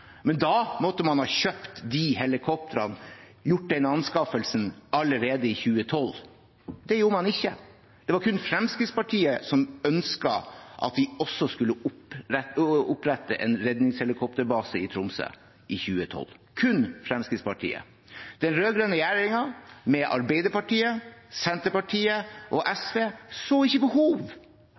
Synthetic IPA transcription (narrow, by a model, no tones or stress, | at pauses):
mɛnd̪ɑmɔt̪ːəmɑnhɑːçøːpt̪d̪ɪhɛlɪkʰɔp̚t̪əɾɑn | jʊʈ̚ːd̪ɛnɑnskɑfəlsənɑləɾeːd̪əɪçʉːət̪ʰɔlː | d̪ɛjuːɾəmɑnɪçːə̰ | d̪̥ɛʋɑɾkʰʉnfɾɛmskɾɪt̪spɑʈʰiːəsɔmœnskɑʔɑ̰t̪ʋɪɔsːɔskʉlːəʊ | ʊpɾɛt̪ːəʔɛ̰nɾɛd̪nɪŋshɛlɪkʰɔpt̪əɾbɑːsəɪt̪ʰɾʊmsə̰ | ʔɪçʉːət̪ʰɔ̰lkʰʉnfɾɛmskɾɪt̪spɑʈʰḭːə̰ | d̪̥ɛnɾøːɡɾøːnəjæːɾɪŋɑmɛʔɑɾbɛɪd̪əɾpɑʈiːəsɛnt̪əpɑʈʰiːəʔɔʔɛsʋeːsoːɪçːəbəhuːʋ